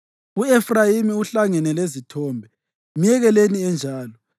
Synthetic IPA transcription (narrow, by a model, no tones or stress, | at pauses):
uefrajimiuɬaŋɛnɛlezitʰɔːmbʱɛ | mijɛɣɛleniɛnd͡ʒʱaːlɔ